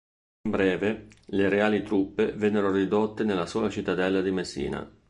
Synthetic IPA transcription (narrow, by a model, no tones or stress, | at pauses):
imbɾɛːveleɾeaːlit̪ɾupːevɛnːeɾorid̪ot̪ːenelːasɔːlat͡ʃit̪ːad̪ɛlːad̪imesːḭːna̰